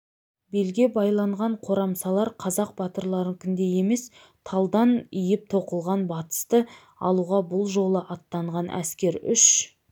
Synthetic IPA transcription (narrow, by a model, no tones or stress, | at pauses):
be̞lɡʲe̞bɑjlˠɑɴʁɑɴqʰo̞ɾɑmsɑlˠɑɾqʰɑzɑq̚bɑt̪əɾlˠɑɾəŋkʲʰʏnd̪e̞je̞me̞s | t̪ʰɑlˠd̪ɑnʏjɪp̚t̪ʰo̞qəlˠʁɑnbɑt̪ə̥st̪ə | ɑ̰lˠuʁɑbʊlˠʒo̞lˠəʔɑt̪ːɑɴʁɑnʔæ̰skʲe̞ɾʏʃ